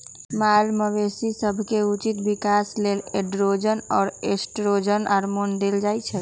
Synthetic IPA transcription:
malməʋesisəbʱkeut͡ʃit̪bikasleleɖɾod͡ʒənɔːɾesʈɾod͡ʒənaɾmond̪eld͡ʒajt͡ʃʰɛ

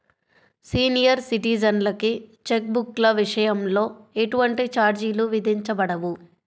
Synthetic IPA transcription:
siːnijɐɾsiʈiːd͡ʒɐnlɐkit͡ʃek̚buklɐʋiʂɐjɐmlo̞ːe̞ʈuʋɐɳʈit͡ʃaːɾd͡ʒiluʋid̪ʱiɲt͡ʃɐbɐɽɐʋu

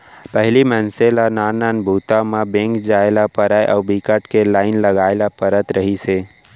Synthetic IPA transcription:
pəɦlimənselanananbʱut̪amabẽŋkd͡ʒaelapəɾajʔaubikəʈkelaɪnləɡaelapəɾət̪ɾəɦise

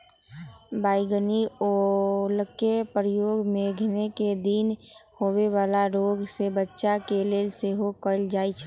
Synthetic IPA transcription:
baːɪɡəniolkepɾəjoːɡmẽɡʱneked̪in | hoːweʋaːlaɾoɡsebətːʃakeleːlseɦokəld͡ʒaːit͡ʃʰ

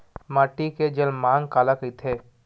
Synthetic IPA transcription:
maːʈiked͡ʒɐlmãːŋɡkaːlakəit̪ʰeː

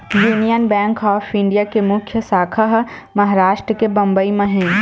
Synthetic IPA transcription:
juːnijənbɛ̃ːŋkɔːfʰɪ̃ɳɖijakemʊkʰjəsaːkʰəɦmɐɦaɾaːʃʈɾəkebɐ̃mbəimẽɦẽ

